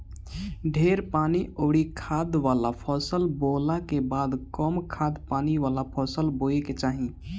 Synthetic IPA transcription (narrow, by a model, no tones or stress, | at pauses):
ɖʱeːɾpaːniʔoːɽikʰaːd̪ʋaːlapʰɔːsəlboːlakebaːd̪kɔmkʰaːd̪paːniʋaːlapʰɔːsəlboːeket͡ʃaːɦĩ